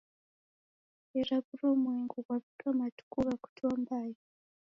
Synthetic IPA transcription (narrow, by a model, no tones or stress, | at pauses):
eɾaβuɾomweŋɡuɡwaβikamatu̥kuβaku̥tʰuambaːja